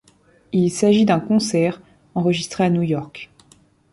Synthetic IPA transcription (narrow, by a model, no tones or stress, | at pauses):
ilsaʒid̪ɛ̃kɔ̃sɛʁ | ɑ̃ʁəʒist̪χeanujɔʁk